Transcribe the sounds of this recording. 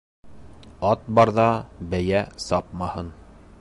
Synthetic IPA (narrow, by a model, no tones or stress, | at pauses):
ɑt̪̚bɑɾðɑbæjæsɑp̚mɑhɤn